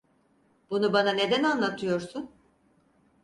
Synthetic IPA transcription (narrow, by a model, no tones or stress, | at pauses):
bunubanane̞d̪ænanlˠat̪ʰɯjo̞ɾsun